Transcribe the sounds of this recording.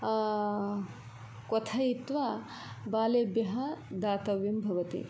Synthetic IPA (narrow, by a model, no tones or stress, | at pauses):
kɔt̪ʰɐjit̪ʋɐ | baːleːbjɐɦɐd̪aːt̪ɐʋjimbʱɐʋɐt̪ḭ